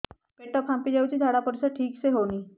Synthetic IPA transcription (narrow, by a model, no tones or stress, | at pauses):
keʈəpʰãmpid͡ʑawt͡ɕiːd̪ʱaɽapəɾsəʈʰiːkseɦoñiː